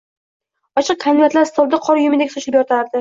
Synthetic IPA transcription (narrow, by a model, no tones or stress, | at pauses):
ɒt͡ʃʰɨq̚kʰand̪ɪat̪laɾst̪ʰɒld̪aqʰɒɾjʊmɪd̪ekʲsʊʃlɪpjɒt̪ʰaɾd̪ɪ